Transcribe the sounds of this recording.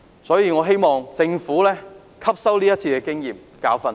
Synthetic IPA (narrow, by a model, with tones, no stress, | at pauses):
sɔː˨˥jiː˧ŋɔː˨˧ɦe˥jmɔː˨ŋsɪ˧ŋfuː˨˥lɛː˥ | kʰɐ˥p̚sɐ˥wliː˥jɐ˥t̚t͡sʰiː˧kɛː˧kɪ˥ŋjiː˨m | kaː˨˥wfɐ˨˧n